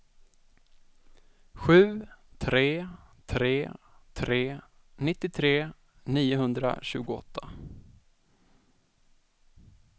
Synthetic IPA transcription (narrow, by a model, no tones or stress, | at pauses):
ɧʉ̟ːt̪ʰɾeːt̪ʰɾeː | t̪ʰɾeː | nɪt̪ːɪt̪ʰɾeː | niːʊɦɵnd̪ɾa̰ɕʉ̟ːɡʊɔ̰t̪ʰːa